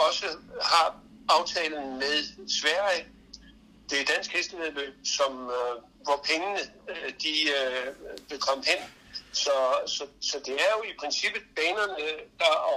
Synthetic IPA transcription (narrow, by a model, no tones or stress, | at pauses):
ɒ̽səhɑ̈ | ɑ̈ʊt͡sʰɛːln̩meðˠsʋæɐ̰jə | d̥e̝ɐd̥æn̰sɡ̥hesd̥eðˠlø̰ːb̥̚sɒ̽m | ʋɒpʰeŋənəd̥i | ʋ̥e̝kʰɒ̽m̰əɦen̰ | sɒ̽sɒ̽sɒ̽d̥e̝æɐjo̝ipʰʁɛnsib̥ð̩ˠb̥ɛːnɐnəd̥ɑ̈ɒ